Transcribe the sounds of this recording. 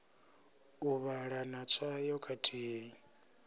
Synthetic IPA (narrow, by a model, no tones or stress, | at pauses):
uβaɺanat͡sʰajɔkʰatʼʰii